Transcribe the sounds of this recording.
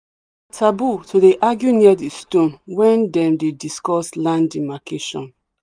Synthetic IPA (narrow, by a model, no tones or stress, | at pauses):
tʰabutʰodeʔaɡjuniadistõnwɛ̃ndɛ̃mdediskɔslãndimakʰeʃɔ̰̃n